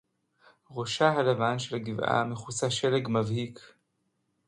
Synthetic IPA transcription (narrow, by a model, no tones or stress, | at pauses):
ʁoʃaɦalavanʃelaɡivʔa̰meχusaʃeleɡmavhik